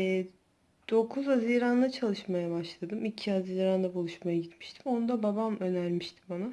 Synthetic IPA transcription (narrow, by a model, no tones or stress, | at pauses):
ɛ | d̪̥o̞kʰuzaziɾand̪ˠat͡ʃʰalˠɯʃmajabaʃlˠad̪ɯmicʰiaziːɾand̪ˠabulˠuʃmajaɟit̪mi̥ʃt̪ʰi̥mo̞nud̪ababamø̞næɾmiʃt̪ʰi̥mbana